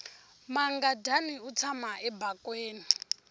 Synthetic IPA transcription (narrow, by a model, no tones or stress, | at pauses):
maŋɡadʱaniut͡sʰamaʔɛbakʼweːni